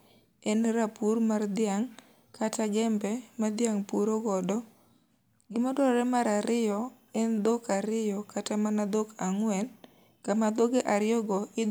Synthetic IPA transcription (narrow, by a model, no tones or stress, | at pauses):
ɛnɾapurmard̪ɪaŋ | kʰataɡɛmbɛmad̪ɪjaŋpuɾoɡɔdɔ | ɡɪmɔdɔɾɛmaɾaɾɪjɔ | ɛnd̪okaɾɪjɔkatamanad̪okaŋwɛn | kamad̪oɡeʔaɾjɔɡɔɪ